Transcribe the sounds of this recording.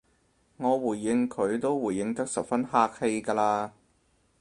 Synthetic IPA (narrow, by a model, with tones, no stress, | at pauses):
ŋɔː˨˧wuː˨˩jːɪ˧ŋkʰɵ˨˧ɥt̪o˥wwuː˨˩jːɪ˨˧ŋt̪ɐ˥k̚sɐ˨p̚fɐ˥nhaː˥k̚he˧jkaː˧laː˧